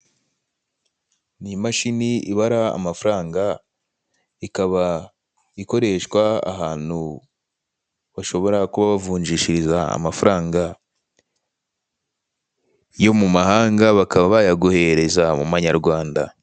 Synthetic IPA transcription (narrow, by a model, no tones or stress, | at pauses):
nimaʃiniiβaɾa̰ːmafuɾaːŋɡa | ikaβa | iko̞ɾe̞ʃkwa̰ːɦaːn̥hu | βaʃo̞βo̞ɾakuβaβavuːɲd͡ʒiʃiɾizaa̰mafuɾaːŋɡa | jo̞mumahaːŋɡaβakaβaβajaɡuhe̞ɾe̞zamumaɲaɾɡwaːnda̰